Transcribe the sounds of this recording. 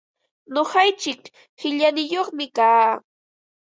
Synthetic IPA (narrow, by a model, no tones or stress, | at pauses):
noχɑjt͡ʃɪk | hɪʎanɪjoχmɪkaː